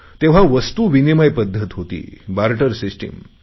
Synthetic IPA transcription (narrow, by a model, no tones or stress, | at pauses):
t̪eʋ̤aʋəst̪uʋinimajpəd̪ʱːət̪ɦot̪ḭːbaɾʈəɾsisʈḭm